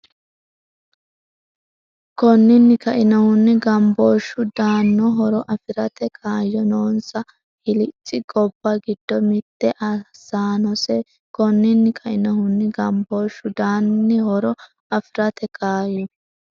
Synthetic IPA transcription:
kɔnːɪnːɪkɐʔɪnɐhʊnːɪɡɐmboːʃːʊd̪aːnːɔɦɔɾɔʔɐfɪɾɐt̪ɛkʰaːjːɔnoːnsɐ | hɪlɪt͡sʼːɪɡʼɔbːɐɡɪd̪̥ːɔmɪt̪ːɛʔɐsaːnɔsɛ | kɔnːɪnːɪkʰɐʔɪnɐhʊnːɪɡɐmbo̞ːʃːʊd̪aːnːɪhɔɾɔ | ɐfɪɾɐt̪ɛkʰaːjɔ

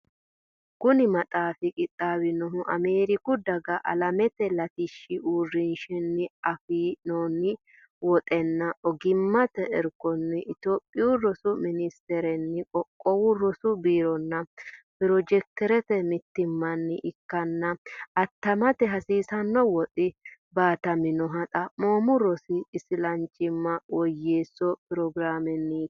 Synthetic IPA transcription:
kʊnɪmɐt̪ʼaːfɪkʼɪt̪ʼːaːwɪnɔɦʊʔɐ̰meːɾɪkʊd̪ɐɡɐʔɐ̰lɐmɛt̪ɛlɐt̪ɪʃːɪʔuːrːɪnʃɛnːɪɐfiːnoːnːɪ | wɔt̪ʼɛnːɐʔɔɡɪmːɐt̪ɛʔɛɾkːɔnːɪʔɪt̪oːpʼːɪʊɾɔsʊmɪnɪst̪ɛɾɛnːɪkʼɔkʼːɔwʊɾɔsʊbiːɾɔnːɐpɪɾɔd͡ʒɛk̚t̪ɛɾɛt̪ɛmɪt̪ːɪmːɐnːɪʔɪkːɐnːɐɐt̪ːɐmɐt̪ɛɦɐsiːsɐnːɔwɔt̪ʼɪbaːt̪ɐmɪnɔɦɐt̪ʼɐmoːmʊɾɔsɪːsɪlɐnt͡ʃʼːɪmːɐwɔjːeːsːɔpɪɾɔɡɾaːmɛnːɪ

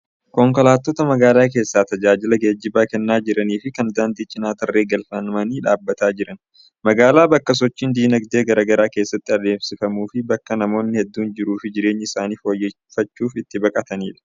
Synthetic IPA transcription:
kɔŋkɔlaːt̪ːoːt̪ɐmɐɡaːlaːk̬e̞ːsːaːt̪ɐd͡ʒaːd͡ʒɪlɐɡeːd͡ʒːɪbaːkɛnːaːd͡ʒɪɾɐniːfɪkɐnd̪aːnd̪iːt͡ʃʼɪnaːt̪ɐrːe̞ːɡɐlfɐnɐmɐniːᶑaːbːɐt̪aːd͡ʒɪɾɐn | mɐɡaːlaːbɐkːɐs̬ɔt͡ʃːiːnd̪iːnɐɡd̪e̞ːɡɐɾɐɡɐɾaːkeːsːɐt̪ːɪɐd̪e̞ːfsɪfɐmuːfɪbɐkːɐnɐmo̞ːnːɪhɛd̪ːuːnd͡ʒɪɾuːfɪd͡ʒɪɾe̞ːɲːɪɪsaːniːfoːjːɛ | fɐt͡ʃːuːfɪt̪ːɪbɐkʼɐt̪ɐniːᶑɐ̥

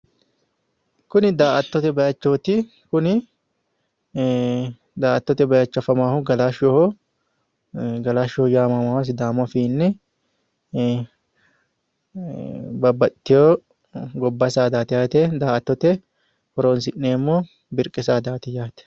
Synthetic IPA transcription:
kʊnɪd̪aːʔɐt̪ːɔt̪ɛbɐjɐt͡ʃːoːt̪ɪ | kʊnɪ | d̪aːʔɐt̪ːɔt̪ɛbɐjɐt͡ʃːɐfɐmaːhʊɡɐlaːʃɔhɔ | ɡɐlaːʃɔhjaːmɐmawɐs̬d̪aːmɔfiːnːɛ | bɐbːɐt̪ːɪjoː | ɡɔbːɐsaːd̪aːt̪ɪjaːt̪ɛd̪aːʔɐt̪ːɔt̪ɛ | hɔɾoːnsɪʔːeːmːoː | bɪɾkʼɪsaːd̪aːt̪ɪjaːt̪ɛ̥

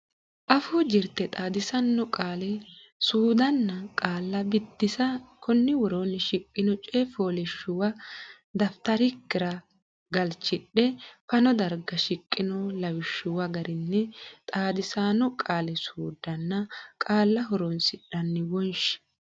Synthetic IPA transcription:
ʔɐfud͡ʒɪɾt̪ːɛt̪ʼaːd̪ɪsɐnːɔkʼaːlɛ | suːd̪ɐnːɐkʼaːlːɐbɪd̪ːɪsɐkʰɔnːɪwɔɾoːnɪʃɪkʼːɪnɔt͡ʃʼefoːlɪʃːʊwɐ | d̪ɐft̪ɐɾɪkːɪɾɐ | ɡɐlt͡ʃːɪɗɛfɐnɔd̪ɐɾɡɐʃɪkʼːɪnɔlɐwɪʃːʊwɐɡɐɾɪnːɛt̪ʼaːd̪ɪsaːnɔkʼaːlɛsuːd̪ɐnːɐkʼaːlːɐɦɔɾonsɪɗɐnːɪwɔnʃɪ̥

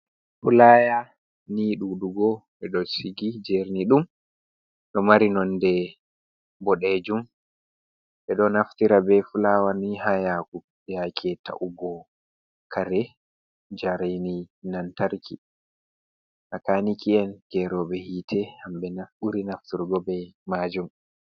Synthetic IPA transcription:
fulaːja | niɗuɗuɡɔɓɛɗɔsiɡid͡ʒɛɾniɗum | ɗɔmaɾinɔndɛ | bɔɗed͡ʒum | ɓɛɗɔnaftiɾabɛfulawanihajaku | jakʰɛta̰ʔuɡɔ | kʰaɾɛ | d͡ʒaɾaninantaɾki | ʔakanikʰiɛnkɛɾɔɓɛhitʰɛhamɓɛnafuɾinaftiɾɡɔbɛmaːd͡ʒum

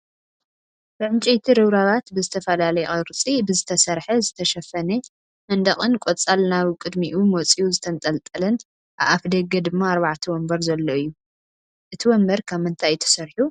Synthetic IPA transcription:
b̥ɨʕɨnt͡ʃʼejt̪ʰiɾɨβɾaβat̪bɨzɨt̪ʰɐfɐlalɐjɛʔʼɐɾɨt͡sʼibɨzɨt̪ʰɐsɐɾħɐzɨt̪ʰɐʃɐfɐne | mɐnd̪ɐχʼɨnkʼot͡sʼalnaβkʼɨd̪miʔumot͡sʼijuzɨt̪ʰɐnt̪ʼɐlt̪ʼɨlɨn | ʔa̰βafd̪ɐɡɐd̪ɨmːaːɾβaʕt̪ʰiwɔmbɐɾzɐlːoɨjːu | ʔɨt̪ʰiwɔmbɐɾkʰaβmɨnt̪ʰajt̪ʰɐ̥sɐɾħu

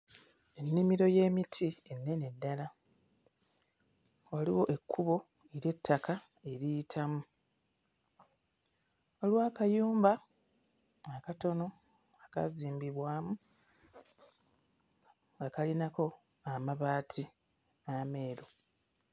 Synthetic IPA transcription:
e̞nːimiɾo̞je̞ːmitʰie̞nːe̞ne̞dːala | waliwo̞ʔe̞kʰːuβo̞ | eɾje̞tʰːaka | e̞ɾijitʰamu | o̞lwaːkajuːmba | kato̞no̞ | aka̰ziːmbiβwaːmu | ŋɡakalinako̞ | amaβaːtʰi | ame̞ːɾo

